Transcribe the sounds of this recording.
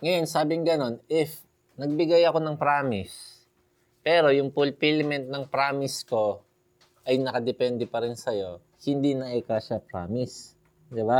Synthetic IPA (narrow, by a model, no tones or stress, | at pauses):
ŋɐjonsaːbɪŋɡɐno̞nɪf | nɐɡ̚bɪɡajɐko̞nɐŋpɾaːmɪs | pɛːɾo̞jʊŋpʊlpilmɛnt̪̚nɐŋpɾaːmɪsko̞ | ʔɐjnɐkɐd̪ɛpɛnd̪ɛpɐɾɪnsɐjo̞ | hɪnd̪inɐʔɛkaʃɐpɾa̰ːmɪs | d̪ɪba